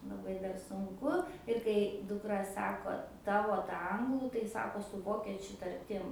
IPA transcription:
lˠɐˈbɐɪ dɐr sʊŋˈkʊ ɪr kɐɪ dʊkˈrɐ ˈsɑːkoː ˈtɑːʋoː tɐ ˈɐŋɡlˠuː tɐɪ ˈsɑːkoː sʊ ˈʋoːkʲɛt͡ʃʲʊ tɐrʲˈtʲɪm

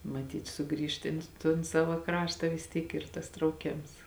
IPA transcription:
mɐˈtʲiːt ˈsʊˌɡrʲiːʃt ˈɪn toːn ˈsɑːʋɐ ˈkrɑːʃtɐ ʋʲɪs ˈtʲiːk ˈiːr tɐs trɐʊˈkʲeːms

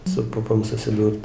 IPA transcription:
sʊ ˈpʊpoːm sʊsʲɪˈduːrt

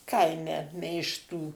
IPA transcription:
ˈkɐɪmʲɛ mʲɛɪʃˈtuː

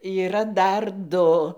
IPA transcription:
iːˈrɐ ˈdɐr ˈdʊ

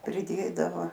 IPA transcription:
pʲrʲɪˈdʲeːdɐʋoː

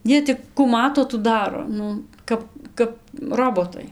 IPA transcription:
ˈjiɛ tʲɪk kʊ ˈmɑːtoː tuː ˈdɑːroː ˈnʊ ˈkɐp kɐp ˈroːboːtɐɪ

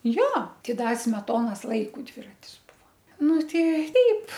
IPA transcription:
ˈjoː ˈtʲɪ ˈdɐ sʲmʲɛˈtoːnoːs ˈlˠɐɪkʊ ˈdʲʋʲɪrɐtʲɪs ˈbʊʋoː ˈnʊ ˈtʲɛɪ ˈtʲɛɪp

